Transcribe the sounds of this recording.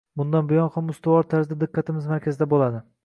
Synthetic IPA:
bʊnd̪anbʊjɒnχamʊst̪ʊwɒɾt̪ʰaɾzd̪ad̪ɪqʰːɑt̪ʰɪmɪzmaɾkʲʰazɪd̪abolˠad̪ɪ

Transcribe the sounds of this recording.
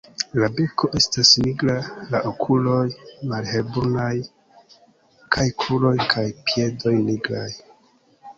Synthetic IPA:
labe̞ko̞ʔe̞stasniɡɾalaʔokʰulo̞jmalhe̞lbunaj | kʰajkʰulo̞jkʰajpije̞do̞jniɡɾaj

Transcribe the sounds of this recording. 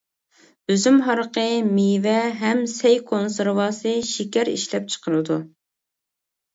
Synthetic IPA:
øzymɦɑɾqəmivɛɦɛmsɛjkʰonsɨɾwɑːsɨʃikʲɛɾiʃlɛp̚t͡ʃʰə̥qʰəɾɨd̪u

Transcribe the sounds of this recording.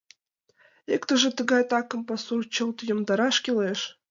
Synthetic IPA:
ekt̪ə̆ʒĕt̪ə̆ɡɑjt̪ɑkɤ̆mpɑsurt͡ɕɤ̆lˠt̪jə̆md̪ɑɾɑʃkʲileʃ

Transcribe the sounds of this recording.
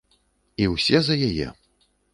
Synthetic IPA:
iwsʲɛzɐjajɛ̰

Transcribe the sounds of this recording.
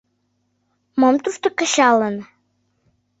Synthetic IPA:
momt̪uʃt̪okə̆ɕɑlə̆n

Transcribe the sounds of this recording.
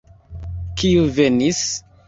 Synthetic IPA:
kiuvenis

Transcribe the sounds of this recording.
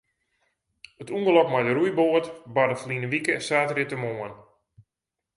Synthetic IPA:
ətuŋɡəlɔkmajdəɾujboətbadəflinəʋikəɛsaːtrɪtəmoːən

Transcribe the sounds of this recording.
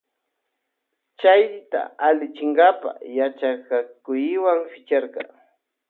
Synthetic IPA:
t͡ʃajɾɪt̪a̰alɪt͡ʃɪŋɡapa̰jat͡ʃakakʊjɪwaŋfɪt͡ʃaɾqɑ

